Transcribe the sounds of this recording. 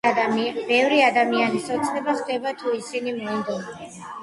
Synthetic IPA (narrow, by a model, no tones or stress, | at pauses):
amibɛvɾiad̪amianisɔt̪sʼnɛbaχd̪ɛbat̪ʰuisinimɔind̪ɔnɔ